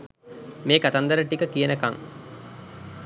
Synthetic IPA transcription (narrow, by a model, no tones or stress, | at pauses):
meːkat̪and̪əɾəʈikəkijənəka̰ŋ